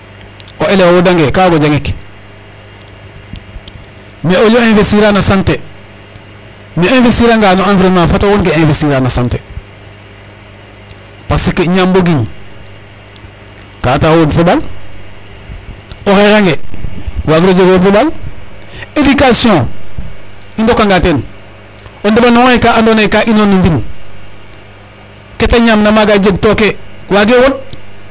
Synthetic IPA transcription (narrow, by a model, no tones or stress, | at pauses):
oelewowodaŋɡekaːɡoɟaŋik | meoloẽnfesiɾanasante | meẽnfesiɾaŋɡaːnoãnfiɾemafatawonkeẽfesiɾanasante | pasikːeɲamboɡiɲ | katawodfubal | oɾeɾaŋɡewaɡdod͡ʒeɡwodfubal | edikasiõ | indokːaŋɡaten | ondibanoŋoekaandonekaʔinonumbin | ketaɲamnamaɡad͡ʒeɡ̚tokewaɡewot̚